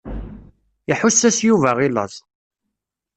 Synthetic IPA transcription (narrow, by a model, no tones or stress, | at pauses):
iħusːæsjuvæʁilɑ̰zˤ